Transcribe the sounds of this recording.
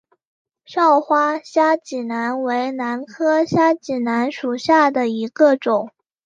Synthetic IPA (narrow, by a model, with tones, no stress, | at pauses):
ʂɑ˥˩ʊxwa˥ɕja˥t͡ɕi˨˩na˧˥nwe˧˥ɪna˧˥nkʰɤ˥ɕja˥t͡ɕi˨˩na˧˥nʂu˨˩ɕja˥˩d̪ə˩i˧˥ɡ̥ə˧ʈ͡ʂʊ˨˩˦ŋ